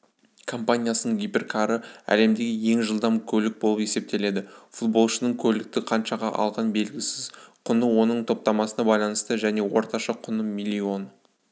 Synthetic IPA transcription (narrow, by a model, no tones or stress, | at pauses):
kʰo̞mpanʲijasənəɴɡʲijpʲe̞rkʰaɾəæ̰le̞md̪e̞ɡʲɪje̞ŋʒəlˠd̪ɑmkʲʰɵlɪk̚bo̞lˠəpe̞se̞p̚t̪e̞le̞d̪ɪfut̪̚bo̞lˠʃənəɴkʲʰɵlɪk̚t̪ɪqʰɑnʃɑʁɑ̰ʔɑ̰lˠʁɑnbe̞lɡʲɪsɪz̥qʰʊnəwo̞nəɴt̪ʰo̞p̚t̪ɑmɑsənɑbɑjlˠɑnəst̪əʒæne̞wo̞ɾt̪ɑʃɑqʰʊnəmilʲːio̞n